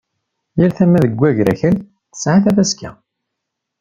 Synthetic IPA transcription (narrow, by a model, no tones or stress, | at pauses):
jəɾθæmːæðəɡʷːæʝɾæçəl | θə̥sʕaθævæskæ̰